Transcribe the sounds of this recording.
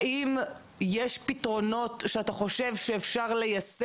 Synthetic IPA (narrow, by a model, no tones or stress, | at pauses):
im | jeʃpitʁo̞no̞tʃeataχo̞ʃe̞vʃeːfʃaʁle̞jas